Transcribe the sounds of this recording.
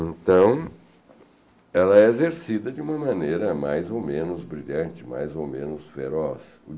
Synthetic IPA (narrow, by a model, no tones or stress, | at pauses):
ẽnt̪ɐ̃w̃ | ɛlɐɛezeɾsid̪ɐd͡ʒɪũmɐmɐ̃nejɾɐma̰jzowmẽnʊzbɾiʎɐ̃nt͡ʃɪma̰jzowmẽnʊsfḛɾɔs | ʊ